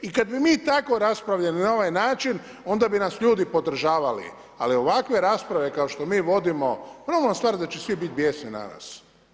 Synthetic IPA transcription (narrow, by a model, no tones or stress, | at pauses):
ikad̪bimiːt̪ako̞ɾaspɾaʋʎaninao̞ʋajnaːt͡ʃin | o̞nd̪abinasʎuːd̪ipo̞d̪r̩ʒaːʋalḭ | a̰lio̞ʋakʋe̞ɾaspɾaʋe̞kao̞ʃt̪o̞miːʋo̞d̪imoponamoast̪ʋaːɾd̪at͡ʃesʋibit̪̚bjesnina̰na̰ːs